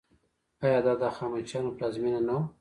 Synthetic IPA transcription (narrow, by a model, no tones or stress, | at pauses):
ajɑd̪ɑd̪axɑmant͡ʃɑnoplɑzminanaw